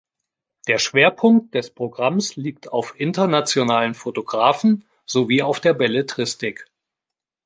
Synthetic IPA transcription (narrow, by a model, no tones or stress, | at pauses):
d̥eːɐʃv̥eːɐpʰʊŋk̚t̚d̥ɛspʁ̥oɡʁamsliːktʰa̰ʊfʔɪntɐnat͡sjonaːlənfotoɡʁaːfn̩ | z̥oviːaʊfd̥eːɐbɛlətʁ̥ɪstɪk